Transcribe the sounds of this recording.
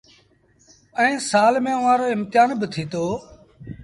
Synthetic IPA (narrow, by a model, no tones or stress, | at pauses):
ɛ̃ːsaːlmẽːʊʋãːɾoːɪmt̪ɪjaːnbɪt̪ʰiːt̪oː